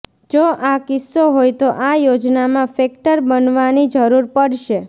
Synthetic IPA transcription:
d͡ʒoʔakɪsːoɦojt̪oʔajod͡ʒnamãfɛk̚ʈəɾbənʋanid͡ʒəɾuɾpəɽʃe

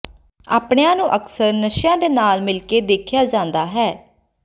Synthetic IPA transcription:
a̰ːpɳejãːnũːʔəksəɾnəʃjãːd̪eːnaːlmɪlkeːd̪eːkʰjaːd͡ʒãːnd̪aːɦɛː

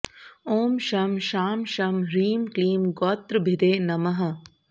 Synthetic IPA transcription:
oːmʃɐmʃaːmʃɐmɾiːmkliːmɡɔːt̪ɾbʱɪd̪eːnɐmɐɦɐ̆

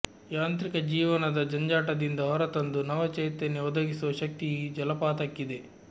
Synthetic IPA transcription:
jaːnt̪ɾikɐd͡ʒiːʋɐnɐd̪ɐd͡ʒɐɲd͡ʒaːʈɐd̪ind̪ɐɦɔɾɐt̪ɐnd̪unɐʋɐt͡ʃejt̪ːeneɔd̪ɐɡisuɐʃɐk̚t̪id͡ʒɐlɐpaːt̪ɐkːid̪e̞

